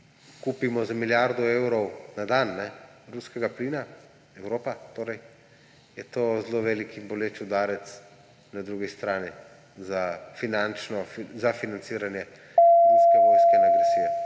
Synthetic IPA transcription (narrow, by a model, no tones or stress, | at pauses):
kuːpimɔzamiljaɾd̪ɔewɾɔwnad̪anːɛɾuskɛɡapliːna | ɛwɾoːpat̪oːɾɛj | jɛt̪oːzloʋeːlikinbɔlet͡ʃud̪aːɾɛt̪s | nad̪ɾuːɡist̪ɾaːni | zafinant͡ʃnɔfzafinant̪siːɾanjɛ | ɾuskɛʋojskɛnaɡɾasiːjɛ